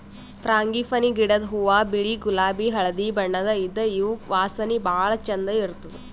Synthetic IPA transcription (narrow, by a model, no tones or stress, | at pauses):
p̪ɾaːŋɡifɐniɡiɽɐd̪ɦuʋaːbiɭiɡulaːbiɦɐɭɐd̪ibɐɳːɐd̪ɐid̪ːɐiʋuʋaːsɐnibaːɭɐt͡ʃɐnd̪ɐiɾut̪ud̪u